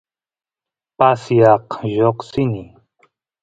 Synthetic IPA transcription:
pasijaqʑoqsini

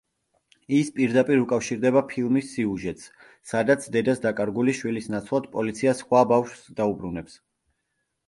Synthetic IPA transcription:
ispʼiɾd̪apʼiɾukʼafʃiɾd̪ɛβapʰilˠmisːiuʒɛt̪ʼs | sad̪at̪sʰd̪ɛd̪asd̪akʼaɾɡuliʃwilisnat̪sʰlˠad̪̥̚pʼɔlit̪sʰiasχwabafʃwsd̪aubɾunɛps

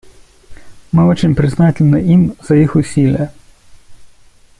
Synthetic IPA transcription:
mɪɔt͡ʃɪnʲpɾɪznɑtʲɪlʲnɐimzɐjixʊsʲilʲjɐ

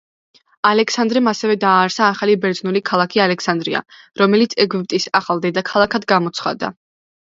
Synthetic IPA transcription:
alɛksand̪ɾɛmasɛvɛd̪aːɾsaːχalibɛɾd̪znulikʰalˠakʰialɛksand̪ɾḭa̰ | ɾɔmɛlit̪sʰɛɡyp̚t̪ʼisaχalˠd̪ɛd̪akʰalˠakʰad̪ɡamɔt̪sʰχad̪a̰

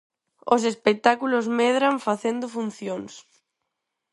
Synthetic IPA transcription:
os̬espek̚t̪akulozmeðɾaɱfaθend̪ʊfun̟θjoŋs

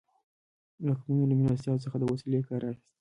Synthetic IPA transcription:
laxmunoləmliast̪jɑt̪səxad̪əwasilekɑɾʔɑxi̥st̪

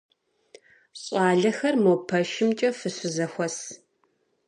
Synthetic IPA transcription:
ɕʼɑːɮɐxɐrmoːpʰɐʃɪmt͡ʃʼɐfɨɕɨzɐxʷɔs

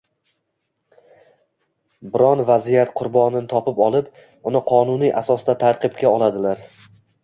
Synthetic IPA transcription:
bɪɾɒnvazijat̪qʰʊɾbɒnɪnɪt̪ʰɒpɪpɒlˠɪp | ʊnɪqʰɒnuniʔasɒsd̪at̪ʰaɾqɨpkʲʰaɒlˠad̪ɪlaɾ

